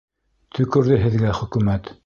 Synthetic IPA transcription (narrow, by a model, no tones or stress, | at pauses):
t̪ʰɵ̆kɵ̆ɾðɘɦɘ̆ðɡæχɵ̆kʉmæt̪